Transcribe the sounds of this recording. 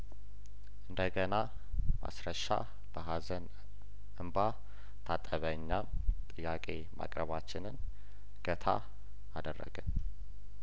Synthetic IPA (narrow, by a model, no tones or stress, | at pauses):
ʔɨnd̪əɡəna | ma̰sɾəʃa̰ | b̥əɦazən | ʔɨmba | t̪ʰat̪ʼːəβəɲːamt̪ʼɨjːakʼe̞ma̰kʼɾəβat͡ʃːɪnɨn | ɡ̥ət̪ʰa̰ | ad̪ərːə̰ɡɨn